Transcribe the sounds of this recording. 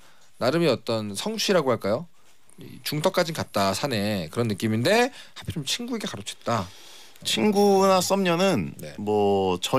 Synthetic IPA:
naɾɯmiʌt͈ʌnsʰʌŋt͡ɕʰiɾaɡoɦaɭk͈ajo | it͡ɕuŋtʰʌk͈ad͡ʑinkat̚t͈asʰane̞kɯɾʌnːɯk͈iminde̞hapʰit͡ɕomt͡ɕʰinɡueɡe̞kaɾot͡ɕʰet̚t͈a | t͡ɕʰinɡunas͈ʌmɲʌnɯnnemwʌt͡ɕʌ

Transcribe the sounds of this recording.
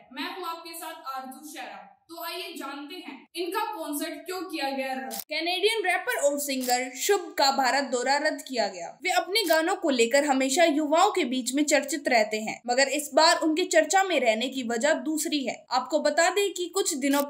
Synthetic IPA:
mɛ̃ːt̪uaːp̚kesaːt̪ʰaːɾd̪ʱuʃɛːɾə̃t̪oaːjed͡ʒaːnt̪eɦɛ̃ːɪnkakɔːnsəɾʈ̚kjõːkijaɡɐjaɾɐkɛːneːɖijənɾɛːpəɾɔːɾsɪ̃ŋɡəlʃʊbkabʱaːɾət̪̚d̪ɔːɾaɾɐd̪ːkijaɡɐja̰ːʋeːɐpneɡaːnõkoleːkəɾɦɐmeːʃajʊʋaːõkebiːt͡ʃmẽt͡ʃɐɾt͡ʃɪt̪ɾɛɦt̪eɦɛ̰̃ːmɐɡəɾɪsbaːɾʊnket͡ʃɐɾt͡ʃamẽɾɛɦnekiʋɐd͡ʒad̪uːsɾiɦɛ̰ːaːp̚kobɐt̪aːd̪ẽkikʊt͡ʃʰd̪ɪnõ

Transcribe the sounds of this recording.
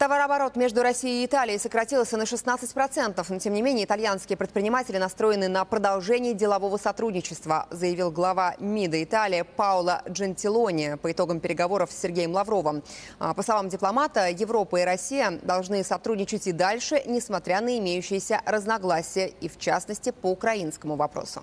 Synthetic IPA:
t̪ɐvaɾɐbɐɾo̞t̪mʲe̞ʐd̪ʊɾɐsʲijːt̪alʲɪɪsəkɾɐtʲilˠsʲənəʂɨsnat̪sɨtʲpɾɐt̪sɛnt̪əfnotʲemnʲɪmʲenʲɪjəɪt̪alʲjanskʲɪjəpɾʲɪt̪pɾʲɪnʲɪmatʲɪlʲɪnɐst̪ɾo̞jɪnɨnəpɾəd̪ɐlˠʐɛnʲɪːdʲɪlˠɐvo̞vəsɐt̪ɾudʲnʲɪt͡ɕɪst̪vəzəjɪvʲilˠɡlˠɐvamʲid̪əɪt̪alʲɪjəpaʊlˠəʐɨnʲtʲɪlˠonʲɪəpəɪt̪o̞ɡəmpʲɪɾʲɪɡɐvo̞ɾəfsʲːɪrɡʲejəmlˠɐvɾo̞vəməpəslˠɐvamdʲɪplˠɐmat̪əjɪvɾo̞pəɪɾɐsʲijəd̪ɐlˠʐnɨsɐt̪ɾudʲnʲɪt͡ɕɪtʲɪd̪alʲʂɨnʲɪsmɐt̪ɾʲanəɪmʲejʉɕːɪjəsʲərəznɐɡlˠasʲɪjəift͡ɕasnəsʲtʲɪpəʊkɾɐinskəmʊvɐpɾo̰sʊ̰

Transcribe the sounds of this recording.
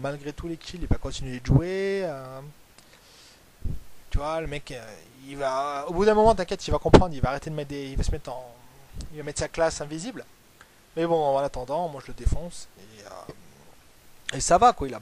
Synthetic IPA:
malɡʁet̪ulekʰʲililvakɔ̃t̪inɥeʒueø | t̪yvwaləmɛkə | ivaobud̪ɛ̃mɔmɑ̃t̪ɛ̃kʲɛt̪ilvakɔ̃pχɑ̃d̪ʁilvaːʁet̪ed̪əmɛt̪̚d̪eilvasəmɛt̪χɑ̃ilvamɛt̪χsaklasɛ̃vizibl | mɛbɔ̃vɔ̃nat̪ɑ̃d̪ɑ̃mwaʒələd̪efɔ̃seø̰ | esavakwaila

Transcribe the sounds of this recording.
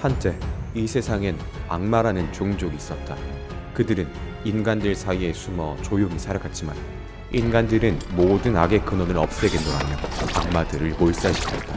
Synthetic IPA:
hant͡ɕ͈e̞isʰe̞sʰaŋɯn | a̰ŋmaɾanɯnt͡ɕoŋd͡ʑoɡiːs͈ʌt̚t͈a | kɯdɯɾɯn | inɡandɯɭsʰaie̞sʰumʌt͡ɕojoŋisʰaɾaɡʰat̚t͡ɕ͈ima̰n | inɡandɯɾɯnmodɯnaɡe̞kɯnonɯɾʌp̚s͈e̞ɡendoɾa̰mjʌa̰ŋmadɯɾɯɭmoɭs͈ais͈ʌt̚t͈a

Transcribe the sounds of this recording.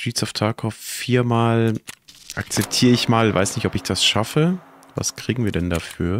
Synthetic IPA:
ʒ̥iːsɔftʰaːkʰɔffiːɐmaːl | ʔak̚t͡sɛp̚tʰiːʁəɪçmaːlva̰ɪsnɪçtɔpɪçd̥asʃafə | va̰skʁ̥iːɡŋ̩viːɐdɛndafyːɐ

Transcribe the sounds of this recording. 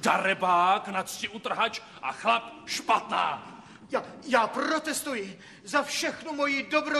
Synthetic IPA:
d̥aɾɛbaːknat̪st͡ʃɪʔut̪r̩ɦat͡ʃ | ʔa̰xlapʃpat̪na̰ː | jajaːprot̪ɛst̪ujɪ | zafʃɛxnumo̞jɪdobɾo

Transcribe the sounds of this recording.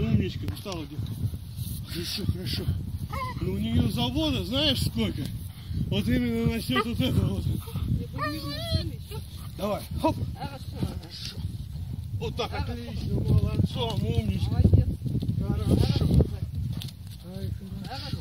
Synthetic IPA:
umʲɪt͡ɕkəst̪alˠədʲet | xəɾɐʂoxəɾɐʂonuʊnʲɪjozɐbo̞t̪əznaɪɪʂsko̞lʲkə | vo̞t̪imʲɪnːəvɐsʲnʲot̪vot̪ɛt̪əvot̪ | d̪ɐvajho | əɾɐʂo | vot̪ːakɐkʲit͡ɕnəməlˠɐt̪soɐmomʲɪt͡ɕkə | xəɾaʂo

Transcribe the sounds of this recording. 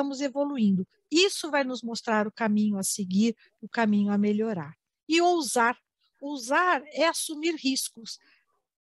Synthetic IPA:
ɐ̃mʊzevoluĩnd̪ʊ | isʊvajnʊzmost̪ɾaɾʊkamĩɲʊaseɡiɾ | ʊkamĩɲʊameʎoɾaɾ | ɪowzaɾ | owzaɾɛasumiɾhiskʊs

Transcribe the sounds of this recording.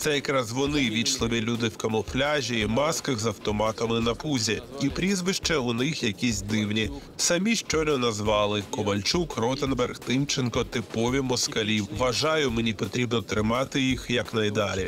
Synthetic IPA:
t̪sɛjɐkɾɑzʋɔnɪʋʲiʃlˠɪmʲɪlʲud̪ɪwkɐmɔflʲaʒʲiːmɑskɐɣzɐwt̪ɔmɑt̪ɐmɪnɐpuzʲiipɾʲizʋɪʃt͡ʃɐʊnɪxjɐkʲisʲd̪ɪwnʲisɐmʲiʃt͡ʃɔnɛnɐzʋɑlˠɪkɔʋɐlʲt͡ʃukrɔt̪enbɛrxt̪ɪmt͡ʃenkɔt̪ɪpɔʋʲimɔskɐlʲiʋɐʒɑjʊmenʲipɔt̪ɾʲibnɔt̪ɾɪmɑt̪ɪjixjɐknɐjd̪ɑlʲi

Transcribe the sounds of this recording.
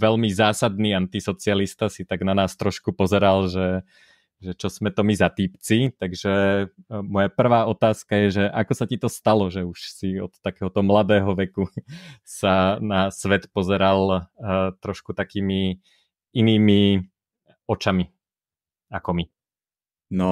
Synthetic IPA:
ʋɛlmizaːsad̪niːant̪isɔt͡sɪalist̪asit̪aɡnanaːst̪ɾɔʃkupɔzɛɾalʒɛ | ʒɛt͡ʃɔzmɛt̪ɔmizat̪iːpt͡sit̪aɡʒɛ | mɔjapr̩ʋaːɔt̪aːskajɛʒɛʔakɔsacit̪ɔst̪alɔʒɛuʃsiɔt̪ːakɛːɦɔt̪ɔmlad̪ɛːɦɔʋɛkusanasʋɛt̪pɔzɛɾal | t̪ɾɔʃkut̪akiːmi | iniːmi | ɔt͡ʃami | akɔmi | nɔ

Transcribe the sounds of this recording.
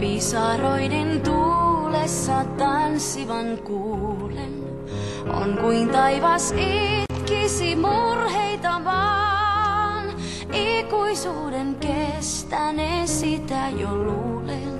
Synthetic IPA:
pisɑroident̪ulesːɑt̪ɑnsːiʋɑnkuːlen | ʔo̰ŋkuint̪ɑiʋɑsit̪kisimurheit̪ɑʋɑ | n | ikuisuːdeŋkest̪ænesit̪æjoluːle

